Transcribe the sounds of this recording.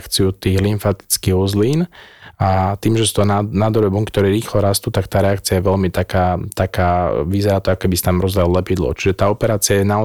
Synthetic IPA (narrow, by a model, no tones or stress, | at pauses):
kt͡siut̪iːɣliɱfat̪i̥t͡skiɣuzliːnat̪iːmʒɛst̪ɔnanad̪ɔɾɛbuŋkt̪ɔɾiːɾiːxlɔɾast̪uːt̪akt̪aːɾɛakt͡sɪajɛʋɛlmit̪akaːt̪akaːʋizɛɾaːt̪ɔakɔkɛbisat̪amɾɔzʋɛlɔlɛpid̪lɔ̰t͡ʃiʒɛt̪aːɔpɛɾaːt͡sɪajɛna